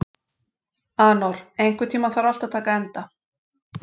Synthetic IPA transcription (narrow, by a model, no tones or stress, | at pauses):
aːnɔɾ̥ejŋkvʏɾt̪ʰiːmaθaɾɔl̥t̪at̪ʰaːkaɛnt̪a